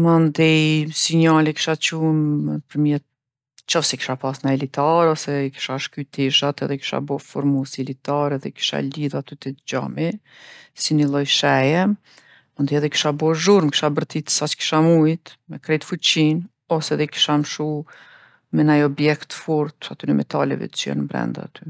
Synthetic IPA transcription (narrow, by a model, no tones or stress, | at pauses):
mɔnd̪isiɲalɛki̥ʃat͡ʃumpəɾmjɛt̪̚ | t͡ʃɔfsɛki̥ʃapasnaɛlit̪aɾɔsɛki̥ʃaʃkyt̪iʃat̪ɛ̰ðɛki̥ʃa̰bɔfɔɾmusilit̪aɾɛðɛ̰ki̥ʃa̰liðat̪yt̪ɛd͡ʑa̰mi | sinilˠɔjʃɛjɛ | mund̪iɛðɛki̥ʃabɔʒuɾmki̥ʃabəɾt̪it̪sat͡ʃki̥ʃamujt̪mɛkɾɛjt̪fut͡ɕin | ɔsɛðɛki̥ʃamʃu | mɛnajɔbjɛkt̪fuɾt̪at̪ynɛmʔɛ̰t̪a̰lɛ̰vɛ̰t̪ə̥t͡ʃɛ̰ɾnbɾɛ̰nd̪a̰at̪ʰy